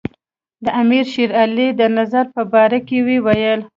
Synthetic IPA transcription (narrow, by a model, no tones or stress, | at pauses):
d̪əʔamiɾʃiɾaled̪ənazaɾpəbɑɾakewiwajəl